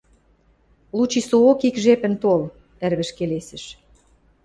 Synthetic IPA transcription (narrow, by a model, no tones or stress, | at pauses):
lut͡ɕisookikʒepɘ̆nt̪ol | ærβɘ̆ʃkelesɘ̆ʃ